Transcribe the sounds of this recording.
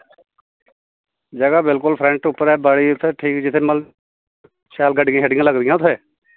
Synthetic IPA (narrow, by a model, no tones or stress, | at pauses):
d͡ʒəɡaːbɪlkʊlpʰɾɛ̃ɳʈʊpːəɾɛːbaːɽiːʊt̪ʰːeːʈʰiːkd͡ʒɪt̪ʰːeːməl | ʃaːlɡəɖɪjãɦɛːɖɪ̃ŋãːləɡd̪ɪjãːt̪ʰːɛː